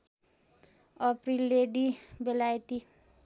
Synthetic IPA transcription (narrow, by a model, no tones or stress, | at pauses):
ʌprilːeɖibelajt̪i